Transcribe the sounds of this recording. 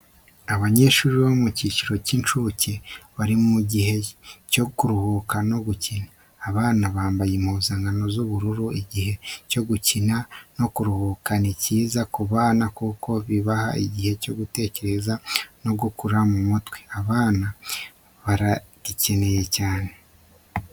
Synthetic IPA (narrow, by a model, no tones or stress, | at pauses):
aβaɲe̞ːʃuːɾiβomuciciɾo̞cint͡ʃuce̞βaɾimuɟihe̞co̞kuɾuhukano̞ɡucinaː | βaːnaβaːmbajemuːzaːŋɡano̞zuβuɾuɾuiɟihe̞co̞ɡucinano̞kuɾuhukaniciːzakuβaːnakuːko̞βiβaha̰iɟihe̞co̞ɡute̞ːce̞ɾe̞zano̞ɡukuɾamumutwe̥aβaːna | βaɾaɟ̥ice̞ne̞je̞caːne